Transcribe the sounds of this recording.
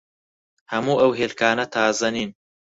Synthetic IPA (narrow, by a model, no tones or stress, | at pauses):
hɐmuːʔɐwɦeːlkaːnɐt̪ʰaːzɐniːn